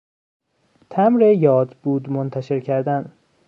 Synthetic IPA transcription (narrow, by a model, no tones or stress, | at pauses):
t̪ʰæmɾejɒːd̪buːd̪mont̪ʰæʃe̞ɾcʰæɾd̪æn